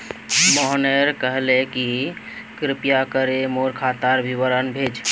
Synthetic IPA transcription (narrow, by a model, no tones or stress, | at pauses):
mɔɦneɾkəɦleki | kɾɪpjakəɾemoɾkʰat̪aɾbʱiʋəɾənbʱed͡ʒ